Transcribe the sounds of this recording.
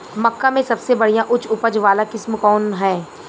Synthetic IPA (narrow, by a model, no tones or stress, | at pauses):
mɐkːamẽsɐbsebɐɽ̤ijãʔʊt͡ʃʰʊpəd͡ʒʋaːlakɪsmkɔːnɦɛ̃ː